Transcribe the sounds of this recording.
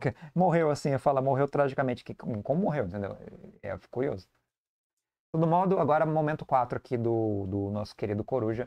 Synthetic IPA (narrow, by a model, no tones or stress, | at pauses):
kemoɦewasĩefalamoɦewt̪ɾaʒikɐmẽnt͡ʃɪ̥kɪkkõmʊmoɦewẽt̪ẽnd̪ewɛ̰ɛ̰kuɾio̰zʊ | t̪od̪ʊmɔd̪ʊaɡɔɾɐmomẽnt̪ʊ̥kwat̪ɾʊakʰid̪ʊd̪ʊnɔsʊ̥keɾid̪ʊkoɾuʒɐ